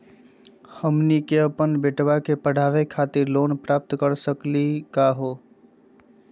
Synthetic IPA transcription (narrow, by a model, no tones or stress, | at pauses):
həmnikeəpənbeʈbakepəɽ̤aʋekʰat̪iɾlonpɾap̚t̪kəɾsəklikaɦo